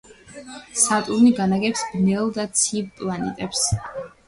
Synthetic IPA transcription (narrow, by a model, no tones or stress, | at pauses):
sat̪ʼuɾniɡanaɡɛpsbnɛlˠd̪at̪sʰipʼlˠanɛ̰t̪ʼɛps